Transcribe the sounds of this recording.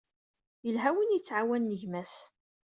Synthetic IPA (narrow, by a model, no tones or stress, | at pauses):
jəlɦæwinjət͡sːʕawænːəʝmæs